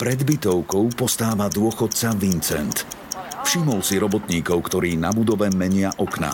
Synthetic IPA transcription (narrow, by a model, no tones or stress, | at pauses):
pɾɛd̪bit̪ɔʊkɔʊpɔst̪aːʋad̪ʊɔxɔt̪̚t͡saʋint͡sɛnt̪fʃimɔlsiɾɔbɔt̪ɲiːkɔʊkt̪ɔɾiːnabud̪ɔʋɛmɛɲɪaʔɔkna̰